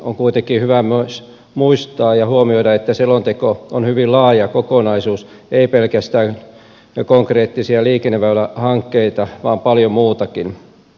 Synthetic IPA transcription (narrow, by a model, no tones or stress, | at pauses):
o̰ŋkuit̪ekːihyʋæmos | muist̪ɑːjɑhuomioiɾɑet̪ːæselːont̪ekoonhyʋillɑːjɑkokonɑisuːs | eipelkæst̪æː | koŋkreːt̪ːisiɑliːkenːeʋæylːæhɑŋkːeit̪ɑʋɑːmpɑljomuːt̪ɑkin